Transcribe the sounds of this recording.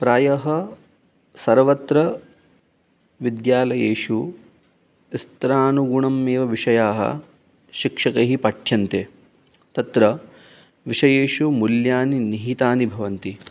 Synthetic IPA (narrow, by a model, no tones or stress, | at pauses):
pɾaːjɐɦɐ | sɐɾʋɐt̪ɾɐ | ʋid̪jaːlɐjeːʂu | ist̪ɾaːnuɡuɳɐmːeːʋɐʋiʂɐjaːɦɐ̰ | ʃikʂɐkɐɦipɐʈʰjɐnt̪eː | t̪ɐt̪ɾɐ | ʋiʂɐjeːʃumuljaːniniɦit̪aːnibʱɐʋɐnt̪i